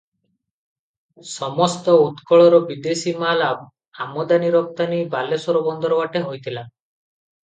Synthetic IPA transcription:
sɔmɔst̪ɔut̪kɔɭɔɾɔbid̪esimala | amɔd̪aniɾɔp̚t̪anibalesɔɾɔbɔnd̪ɔɾɔwaʈeɦojt̪ʰila

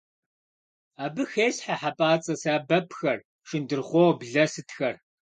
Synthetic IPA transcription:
aːbɨxeːɬħaħapʼaːt͡sʼɐsaːbɐpʰxɐr | ʃɪndɨrʁʷɔwbɮɐsɨtʰxɐr

